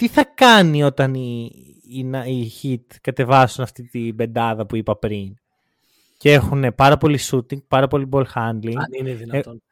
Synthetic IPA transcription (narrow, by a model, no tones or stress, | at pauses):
t̪iθɐkɐnio̞t̪ɐni | nɐiçit̪kɐt̪e̞vɐsunɐft̪it̪ibe̞nd̪ɐðɐpuipɐpɾin | cee̞xune̞pɐɾɐpo̞lisut̪iŋɡ̚pɐɾɐpo̞libo̞lxɐnd̪liŋnineðino